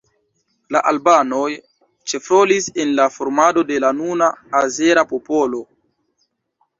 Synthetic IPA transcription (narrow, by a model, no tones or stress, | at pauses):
laʔalbano̞j | t͡ʃe̞fɾo̞lisenlafoɾmado̞de̞lanunaːze̞ɾapo̞po̞lo̞